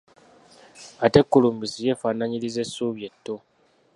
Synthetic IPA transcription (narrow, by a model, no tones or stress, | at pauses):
ate̞kːuluːmbizije̞faːnaɲilize̞suβje̞tːo